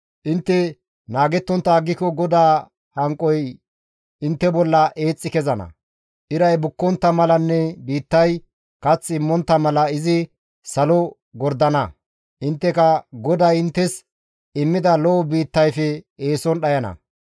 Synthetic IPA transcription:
ʔɪnt̪ːɛ | naːɡɛt̪ːɔnt̪ːɐːɡːɪkɔɡɔd̪aː | hɐŋkʼɔj | ɪnt̪ːɛbɔlːɐʔe̞ːt͡sʼːɪkɛzɐnɐ̰ | ʔɪɾɐjbʊkːɔnt̪ːɐmɐlɐnːɛbiːt̪ːɐj | kɐt͡sːɪmːɔnt̪ːɐmɐlɐɪzɪ | sɐlɔ | ɡɔɾd̪ɐnɐ | ʔɪnt̪ːɛkɐɡɔd̪ajɪnt̪ːɛs | ɪmːɪd̪ɐlɔːbiːt̪ːɐjfɛeːsɔnɗɐjɐnɐ̰

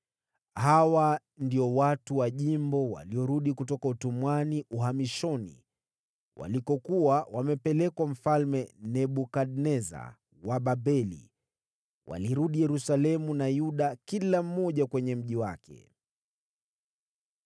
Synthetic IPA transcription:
hawa | ndiɔwatuwaʄimbɔwa̰liɔɾuɗikutɔkautumwaniʔuɦamiʃɔnḭ | wʔa̰likɔkuwawamɛpɛlɛkwam̩falmɛnɛɓukaɗnɛza̰ | waɓabɛlḭ | wʔa̰liɾuɗijɛɾusalɛmunajuɗakilam̩mɔʄakwɛɲɛm̩ʄiwakɛ̰

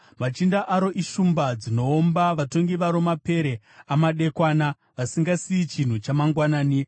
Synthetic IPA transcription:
mat͡ʃindaʔaɾoʔiʃumbad͡zino̞ːmbaʋato̞ŋɡiʋaɾo̞mape̞ɾe | amaɗe̞kwana | ʋasiŋɡasiːt͡ʃin̤ut͡ʃamaŋɡwanaːni

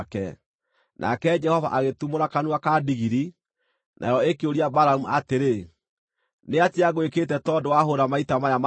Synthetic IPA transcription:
kɛ̰ | nʔa̰kɛd͡ʒɛhɔva̰ʔaɣetumoɾakanuakadiɣiɾi | nʔa̰jɔekeoɾiabaɾaumuateɾe | neatiaɣweketɛtɔdowaɦoɾamaitamajama

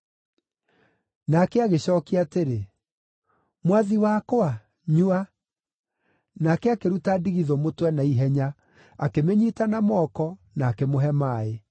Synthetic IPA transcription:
nakɛaɣeɕɔːkiateɾe | mwaðiwakoa | ɲua | nakɛakeɾutadiɣiðɔmotwɛnaiɦɛɲa | akemeɲitanamɔkɔ | naːkemoɦɛmaːe

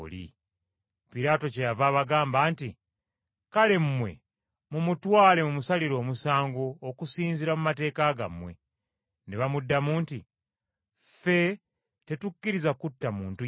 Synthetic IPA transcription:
lḭ | piɾaːto̞cejavaβaɡaːmbaːnti | kale̞mmwe̞̰ | mumutwaːle̞mumusaliɾo̞ːmusaːŋɡoːkusiːnziɾamumate̞ːkaɡa̰mwe̞̰ | neβamudːamuːnti | fe̞ | te̞tukːiɾizakutːamuːntu

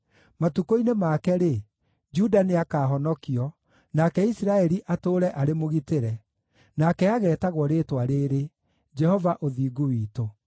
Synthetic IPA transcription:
matukoinemaːkɛɾe | d͡ʒudaneakaːɦɔnɔkiɔ | nakɛisiɾaɛɾiʔatoːɾɛʔaɾemoɣiteɾɛ | nakɛaɣɛːtaɣwɔɾeːtwaɾeːɾe | d͡ʒɛhɔvaʔoðiːɡuwiːto

